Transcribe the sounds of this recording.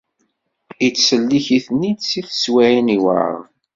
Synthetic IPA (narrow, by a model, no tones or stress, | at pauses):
it͡sːsəlːiçiθnid̪siθswæʕiniw̰ə̰ð